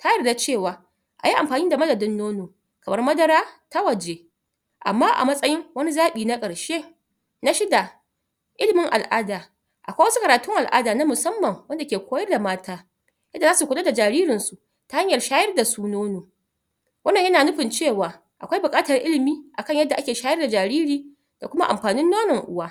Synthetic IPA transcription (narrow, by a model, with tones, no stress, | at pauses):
taː˦jɐ˦˨rda˦t͡ʃeː˦˨waː˨ | ʔa˨ji˦ʔa˨mɸaː˨niː˦da˨mɐ˦dɐ˨dɪ˦nːoː˦noː˨ | kɐ˨mɐ˦rmɐ˦dɐ˦ɾaː˦ta˦wɐ˨d͡ʒeː˦ | ʔa̰˨mːaː˦ʔa̰˨mɐ˦sʼɐ˦jɪ˦ŋwɐ˦ni˦zaː˦ɓiː˨na˦kʼɐ˨ɽʃeː˦ | na˦ʃɪ˦da˨ | ʔɪ˦lɪ˨mɪ˦ŋʔa̰˨lʔaː˦daː˨ | ʔa̰˨kʷa˦wɐ˦su˦kɐ˨ɾaː˨tʊ˦ŋʔa˨lʔa̰ː˦daː˨na˦mʊ˨sɐ˦mːɐ˨ŋwɐ˦nda˨kʲeː˨kʷoː˦jɐ˦rda˨maː˦tʰaː˦ | jɐ˦dːa˨zaː˦su˨kʷʊ˨tʼo˦da˨d͡ʒaː˨ɾiː˦ɾɪ˨nsu˨ʔ | ta˦ha˦ɲjɐ˨rʃaː˦jɐ˦rda˨suː˦noː˦noː˨ | wʔɐ˦nːɐ˨ɲjɐ˦naː˨nʊ˦ɸɪ˨nt͡ʃeː˦˨waː˨ | ʔa̰˨kʷa˦jbʊ˨kʼaː˦tɐ˨rʔɪ˦lɪ˨miː˦ʔa̰˨kɐ˦ɲjɐ˦dːa˨ʔa˦kʲeː˨ʃaː˦jɐ˦rda˨d͡ʒaː˨ɾiː˦ɾiː˨ | d̥a̰˨kʷʊ˦ma˦ʔa˨mɸaː˨nɪ˦nːoː˦nɐ˨ŋʔʊ˦waː˦